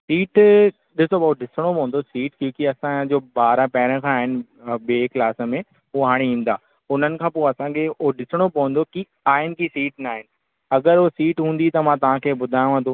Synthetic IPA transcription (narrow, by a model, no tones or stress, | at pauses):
siːʈ | ɗɪsobɐoɗɪsəɽ̃opɐɦə̃nd̪osiːʈkjõːkiɐsãd͡ʑoːbaːɾãpɛɦɪɾə̃kʰãaːɦɪnɪ̆ɓeːklaːsə̆mẽ | ʊoɦaːɽ̃iĩːn̆d̪aː | ʊn̤ənɪ̆kʰãːpoːɐsãkʰeoɗɪsəɽ̃opɐʋə̃nd̪oki | aːɦɪnɪ̆kisiːʈnaːɦɪnɪ̆ | ɐɡəɾosiːʈɦũːn̆d̪it̪ɐmãt̪̬ɐʋ̤ãkʰeːbʊd̪ʱaːjũʋə̃nõː